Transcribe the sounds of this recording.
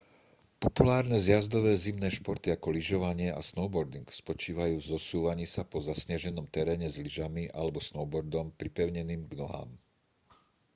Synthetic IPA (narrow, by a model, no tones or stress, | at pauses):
pɔpulaːɾnɛzjazd̪ɔʋɛːzimnɛːʃpɔɾt̪iakɔliʒɔʋaɲɪɛʔa̰snɔʊbɔɾd̪iŋkspɔt͡ʃiːʋajuːvzɔsuːʋaɲiːsapɔzasɲaʒɛnɔmt̪ɛɾɛːɲɛzliʒamiʔalɛbɔsnɔʊbɔɾd̪ɔmpɾipɛʊɲɛniːmɡnɔɦa̰ːm